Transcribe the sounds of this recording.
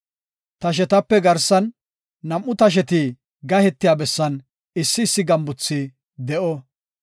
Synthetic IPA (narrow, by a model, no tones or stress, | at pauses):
t̪ɐʃ̬ɛt̪ɐpːɛɡɐɾsɐnː | ɐmʔːʊt̪ɐʃ̬ɛt̪i | ɡɐhɛt̪ːɪjaːbɛsːɐn | ɪsːɪːsːɪɡɐmbʊt͡sːi | d̪ɛʔɔ